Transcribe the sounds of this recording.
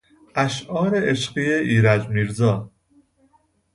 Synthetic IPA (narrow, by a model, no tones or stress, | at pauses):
ʔæʃʔɒːɾeʔeʃɢiːeʔiːɾæd͡ʒmiːɾzɒː